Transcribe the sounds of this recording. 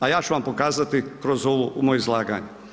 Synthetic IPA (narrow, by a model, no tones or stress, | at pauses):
ajaːt͡ʃuʋampo̞kaːzat̪ikɾo̞zoʋuumoːjoizlˠaːɡa̰ɲu